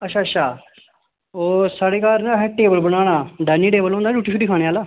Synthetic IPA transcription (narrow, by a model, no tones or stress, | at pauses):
ətʃʰaːətːʃʰaː | oːsaːɽeːkaːɾnãːɦɛːʈeːbəlbəɽ̃aːɽ̃aːɖɛːniːʈeːbəlõːnd̪aːd͡ʒuːʈːiːʃʰuːɾiːkʰaːɽ̃eːaːlaː